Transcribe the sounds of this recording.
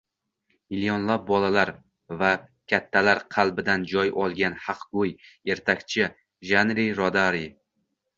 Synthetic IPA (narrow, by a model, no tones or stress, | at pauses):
miljɒnlap̚bɒlalaɾ | vakʲʰat̪ʰːalaɾqʰɑlˠbɪd̪and͡ʒɒjɒlˠɡʲanhɑqɡʊje̞ɾt̪ʰakʲt͡ʃʰɪ | ʒanɾiɾɒd̪aɾi